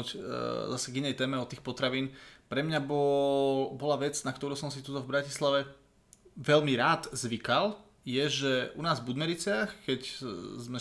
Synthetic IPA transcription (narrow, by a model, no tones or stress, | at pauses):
uczasɛɡinɛjt̪ɛːmɛɔt̪iːxpɔt̪ɾaʋiːnpɾɛmɲabɔ | bɔlaʋɛd͡znakt̪ɔɾuːsɔmsit̪ut̪ɔvbɾacislaʋɛ | ʋɛʎmiɾaːd̪zʋikal | jɛʒɛʔunaːzvbud̪mɛɾit͡sɪaxkɛczmɛ